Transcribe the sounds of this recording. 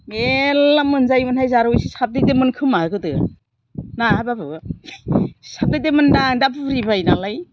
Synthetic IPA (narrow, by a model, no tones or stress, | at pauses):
elamːɯnzajmɯnhajzaɾwjsisap̚dedemɯnkʰɯmaɯkɯtɯ | naababɯ | sap̚dedemɯndaŋdabʰɯɾibajnalaj